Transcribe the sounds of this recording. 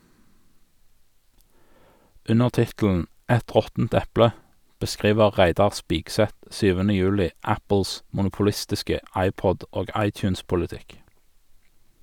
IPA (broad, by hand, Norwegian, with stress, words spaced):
ˈʉnəʁ ˈtɪtl̩n̩ ˈɛt ˈʁɔtn̩t ˈɛplə bəˈskʁiːʋəʁ ˈʁæɪdɑʁ ˈspiːɡsɛt ˈsyːʋənə ˈjʉːlɪ ˈæpl̩s mʊnʊpʊˈlɪstɪskə ˈʔɑɪˌpɔd ˈoːɡ ˈɑɪˌtjʉːnspʊləˌtɪk